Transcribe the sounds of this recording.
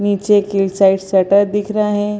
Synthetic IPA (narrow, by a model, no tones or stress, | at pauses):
nit͡ɕekilsaiʈsəʈəɾd̪ikʰɾaɦẽ